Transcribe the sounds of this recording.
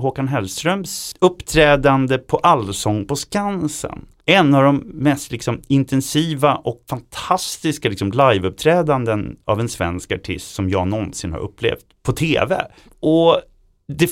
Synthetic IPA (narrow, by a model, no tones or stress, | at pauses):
ɦokanɦɛlst̪ɾœmsɵpːt̪ʰɾɛːd̪and̪əpʰɔʔalsɔŋːpɔskansə̰n | ɛnːavd̪ɔmːɛst̪lɪksɔmɪnt̪ʰɛnsiːvaʔɔkfant̪ʰast̪ɪskalɪksɔmlajvɵp̚t̪ʰɾɛːd̪and̪əna̰vɛnsvɛ̰nskaʈʰɪ̰st̪sɔmjɑːɡnɔnsɪnha̰ɾʔɵ̰pːlḛːft̪pʰɔt̪ʰeːvɛ̰ | ʔɔ | d̪ɛ